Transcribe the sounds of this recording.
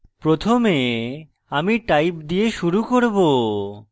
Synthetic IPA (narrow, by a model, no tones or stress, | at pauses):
pɾot̪ʰome | amiʈajpd̪ieʃuɾukoɾbo